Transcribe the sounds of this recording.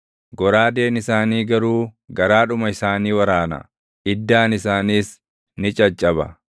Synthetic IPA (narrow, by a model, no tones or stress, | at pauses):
ɡɔɾaːd̪eːnɪsaːniːɡɐɾuːɡɐɾaːᶑʊmɐɪsaːniːwɐɾaːnɐ̰ | ʔɪd̪ːaːnɪsaːniːs | nɪt͡ʃʼɐt͡ʃʼːɐbɐ̰